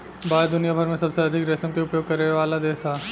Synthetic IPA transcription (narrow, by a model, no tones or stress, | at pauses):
baːd̪ʊnijabʱɐɾmẽsɐbseɐd̪ʱɪkɾɛsəmkeʊpjoːɡ̚kɐɾeʋaːlad̪eːsaː